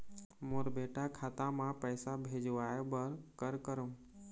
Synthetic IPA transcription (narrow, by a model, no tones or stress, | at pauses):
moɾbeːʈakʰaːt̪ãmãpəjsabʱed͡ʒʋaebəɾkəɾkəɾu